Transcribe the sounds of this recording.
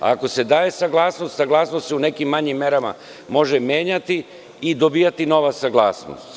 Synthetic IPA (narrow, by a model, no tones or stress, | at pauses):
a̰ko̞se̞d̪aːje̞saɡlˠaːsno̞st̪saɡlˠaːsnost̪seune̞kimːaɲimːe̞ɾama̰ | mo̞ʒemje̞ːɲat̪iː | d̪o̞biːjat̪ino̞ʋasaɡlˠaːsno̰st̪